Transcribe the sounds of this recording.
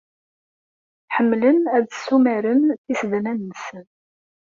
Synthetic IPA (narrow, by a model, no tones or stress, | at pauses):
ħəmːlənæðsːumæɾənθisəd̪nænːəsən